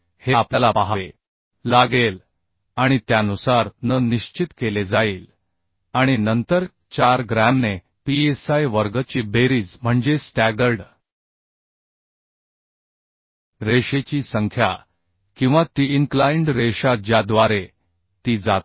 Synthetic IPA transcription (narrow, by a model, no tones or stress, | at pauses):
heapljalapaɦaʋe | laɡel | aɽ̃it̪janusaɾnəniɕt͡ɕit̪keled͡zaiːl | aɽ̃inənt̪əɾ | t͡ɕaɾɡɾamne | piesajʋəɾɡət͡ɕiːbeɾiːd͡zm̤əɳd͡ʑesʈæɡəɾɖ | ɾeɕet͡ɕiːsəŋkʰja | kĩw̃ʋat̪iːiŋklaiɳɖɾeɕad͡ʑjad̪ʋaɾe | t̪iːd͡zat̪